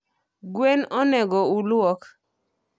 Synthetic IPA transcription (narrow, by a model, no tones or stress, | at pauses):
ɡwenɔnɛɡɔulwɔk